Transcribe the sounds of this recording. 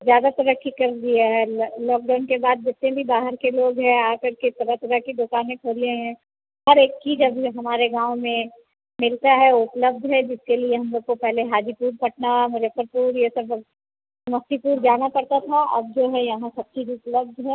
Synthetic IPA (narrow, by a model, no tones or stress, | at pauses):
zjaːd̪at̪ɐɾəkʰːikɐɾd̪iaɦɛlɔːk̚ɖaːʊnkebaːd̪̚d͡ʒɪt̪nẽbʱibaːɦəɾkeloːɡɦɛ̃aːkɐɾket̪ɐɾət̪ɐɾəkid̪ʊkaːnẽkʰoːlẽɦɛ̃ | ɦɐɾeːkːid͡ʒɐbɦɐmaːɾeɡãːʋwmẽ | mɪlt̪aɦɛʊpləbd̪ʱɦɛd͡ʒɪskelieɦɐ̃msɐb̚kopɛɦleɦaːd͡ʒ̪ipuːɾpɐʈnamʊd͡ʒəfəɾpuːɾjesɐb | sɐmɐxt̪ipuːɾd͡ʒaːnapɐɽt̪at̪ʰaɐ̰b̚d͡ʒoːɦɛjɐɦãsɐb̚t͡ʃʰidiʊplɐb̚d̪ʱɦɛ